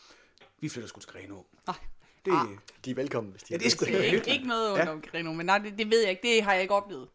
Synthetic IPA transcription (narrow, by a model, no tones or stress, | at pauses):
ʋifløɾɐsɡ̥ut͡sʰɡ̥ʁɛːno | nɑ̈ɪ̰ | d̥ed̥iʋelkʰɒ̽m̰n̩ʋe̝sd̥i̥esu̥eɡ̥ənɔ̽ːð̩ˠɔ̽nɒ̽mɡ̥ʁɛnomenːɑ̈ɪ̰d̥ed̥e̝ʋe̝ð̞̰ˠjɑ̈e̝ɡ̥̚d̥e̝ɦɑ̈jɑ̈e̝ɡ̥ɒ̽b̥lḛːð̩ˠ